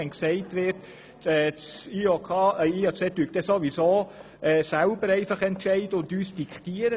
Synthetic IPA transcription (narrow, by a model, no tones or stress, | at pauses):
ɛnksɛɪtʋɪrt | ɛt͡siokʰɑiːɑt͡sɛtyːk̚t̪ɛsoʋisoː | ʔɛːsælbəɾɛɪfɑχɛntʃɛɪd̥əʊndyːsd̥ikʰtiəɾə